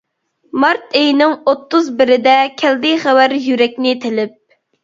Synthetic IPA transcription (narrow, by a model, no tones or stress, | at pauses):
mɑɾt̪ejnɪŋot̪ʰːʊzbɪɾɪd̪ɛkʲʰɛld̪ɪχæwæɾjyɾɛk̚ʲnɪt̪ʰɪlɪp̚